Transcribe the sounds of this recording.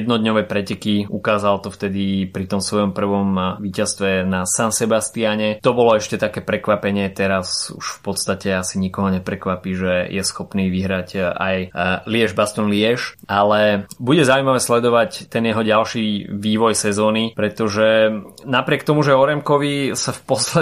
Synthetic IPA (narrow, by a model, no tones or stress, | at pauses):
jɛd̪nɔd̪ɲɔʋɛːpɾɛcɛkiukaːzalt̪ɔft̪ɛd̪ipɾit̪ɔmsʋɔjɔmpr̩ʋɔmʋiːcast̪ʋɛnasansɛbast̪iaɲɛt̪ɔbɔlɔɛʃcɛt̪akɛːpɾɛkʋapɛɲɪɛt̪ɛɾasṵʃfpɔt̪st̪acɛasiɲikɔɦɔɲɛpɾɛkʋapiʒɛjʔɛsxɔpniːʋiɦɾaɟa̰jlɪɛʒbast̪ɔnliɛʃalɛbuɟɛzauimaʋɛːslɛd̪ɔʋact̪ɛnjɛɦɔɟalʃiʋiːʋɔjsɛzɔːnipɾɛt̪ɔʒɛnapɾɪɛkt̪ɔmuʒɛɔɾɛmkɔʋisafpɔslɛ